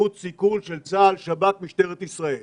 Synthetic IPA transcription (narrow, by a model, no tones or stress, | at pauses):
ut̪sikulʃelt͡saːlʃabatmiʃt̪eʁet̪isʁael